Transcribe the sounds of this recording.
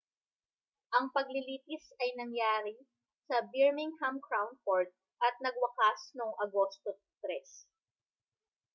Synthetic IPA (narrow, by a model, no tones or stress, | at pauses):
ʔɐŋpɐɡ̚lɪliːp̪ɪsɐjnɐŋjaːɾɪ | sɐbɪɹmɪŋhɐmkɹawnfoɹt̪̚ | ʔɐt̪̚nɐɡ̚wɐkasnoŋɐɡo̞st̪o | t̪ɾɛs